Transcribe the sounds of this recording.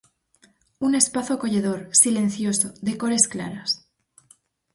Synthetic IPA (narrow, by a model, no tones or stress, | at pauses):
une̞spaθoko̞ʝe̞ðo̞ɾsilẽ̞nθjo̞soðe̞ko̞ɾe̞skla̰ɾas